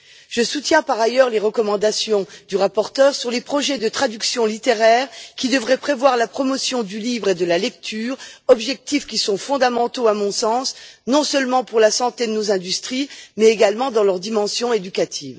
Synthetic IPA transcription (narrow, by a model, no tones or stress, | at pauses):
ʒ̥əsut̪jɛ̃paʁajœʁleʁəkɔmɑ̃d̪asjɔ̃d̪yʁapɔʁt̪œʁsyʁlepχɔʒɛd̪ət̪χad̪yksjɔ̃lit̪eʁɛʁkʲid̪əvʁɛpχevwaʁlapχɔmɔsjɔ̃d̪ylivʁed̪əlalɛk̚t̪ʰyːʁɔbʒɛk̚t̪ifkʲisɔ̃fɔ̃d̪amɑ̃t̪oamɔ̃sɑ̃snɔ̃sœlmɑ̃puʁlasɑ̃t̪ed̪ənozɛ̃d̪yst̪χimɛeɡalmɑ̃d̪ɑ̃lœʁd̪imɑ̃sjɔ̃ed̪ykat̪ʰiːv